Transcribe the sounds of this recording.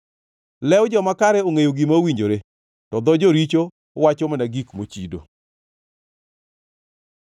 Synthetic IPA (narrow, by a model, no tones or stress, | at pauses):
lɛwd͡ʒɔmakaɾɛoŋejoɡimawiɲd͡ʒoɾe | tɔd̪ɔd͡ʒoɾit͡ʃo | wat͡ʃomanaɡikmot͡ʃido̰